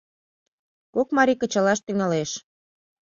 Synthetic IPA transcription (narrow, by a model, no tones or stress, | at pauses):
kokmɑɾikə̆t͡ɕɑlɑʃt̪yŋɑleʃ